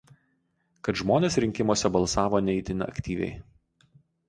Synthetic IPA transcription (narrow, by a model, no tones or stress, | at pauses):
kɐt̪ʒmoːnʲeːsɾʲɪŋʲkʲɪmoɔsʲɛbɐlˠsɑːʋoːnʲɛɪt̪ʲɪnʲɐ̰kʲt̪ʲiːʋʲɛ̰ɪ